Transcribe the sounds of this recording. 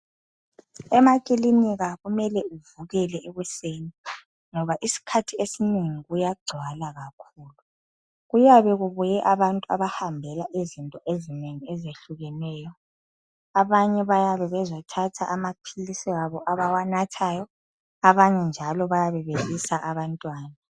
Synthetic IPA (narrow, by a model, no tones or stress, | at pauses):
ɛmakʼiliniɣaɣumɛlɛuvuɣɛlɛɛɣwɛseni | ŋɔβaʔisi̥kʰatʰiesineŋiɣujaɡ͡ǀʱwalaɣakʰuːlu | ɣujaβɛɣuβujɛʔaβantʼua̰βahambʱɛlaʔizintʼɔʔezineŋiɛzeɬuɣɛnɛːjɔ | aβaɲɛβajaβɛβɛzatʰatʰaʔamapʰilisiaβɔʔaβawanatʰajɔ | aβaɲɛnd͡ʒʱalɔβajaβɛβeβisaʔaβantʼwaːna